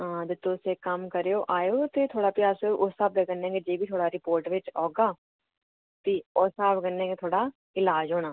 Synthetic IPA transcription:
ãːd̪ɪt̪ːõʊseːkəmkəɾejoːʔaːjoːt̪et̪ʰoːɽaːpiaːseʔʊsaːbeɡənːẽːŋɡeːd͡ʒeːbʱiːt̪ʰoːɽaːɾɪpoːɾʈʋɪt͡ʃoːɡaː | t̪ioːsaːbɡənːẽːŋɡeːt̪ʰoːɽaː | ɪlaːd͡ʒɦoːɽ̃aː

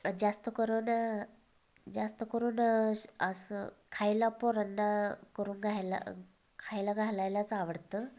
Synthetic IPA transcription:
d͡zast̪əkəɾuːn | d͡zast̪əkəɾuːnəsəkʰajlapoɾənːakəɾuːnɡʱajla̰ | kʰajlaɡʱalajlat͡saʋəɽt̪ə

